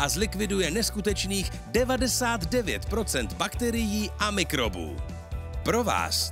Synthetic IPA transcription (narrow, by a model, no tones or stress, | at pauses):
ʔazlɪkvɪdujɛnɛskut̪ɛt͡ʃniːx | dɛvadɛsaːt̪dɛvjɛ̰t̪pɾo̞t͡sɛnt̪bakt̪ɛɾɪjiːʔamɪkɾo̞̰bṵː | pɾo̞va̰ːs